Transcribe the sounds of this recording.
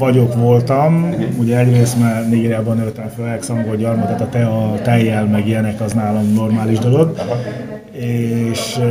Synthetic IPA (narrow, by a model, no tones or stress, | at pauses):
vɒɟo̞kʋo̞lt̪ɒmuɟɛɛɟreːst̪maːrneɡeːɾijaːbɒnːøt̪ɛɱføːlɛksɒŋɡoːlɟɒrmɒd̪ɔt̪ɒt̪ɛɒt̪ɛjːɛlmɛɡijɛnɛkɒznaːlomno̞rmaːliʒd̪o̞lo̞ɡ | eːʃ